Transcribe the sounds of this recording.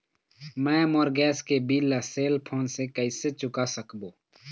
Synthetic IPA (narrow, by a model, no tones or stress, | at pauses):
mɛ̃ːmoɾɡɛːskebiːlːaseːlpʰoːnsekəɪset͡ʃʊkasəkboː